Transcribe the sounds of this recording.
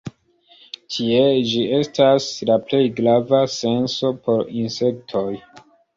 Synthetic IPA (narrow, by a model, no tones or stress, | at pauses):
tʰie̞d͡ʒie̞stʰaslaple̞jɡɾavase̞nso̞pʰo̞ɾinse̞k̚tʰo̞j